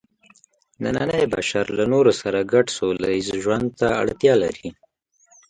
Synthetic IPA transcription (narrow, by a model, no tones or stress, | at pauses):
nananəjba̰ʃaɾlanoɾosaɾaɡaʈsolaizʒwand̪̚t̪aa̰ɽt̪jɑlaɾi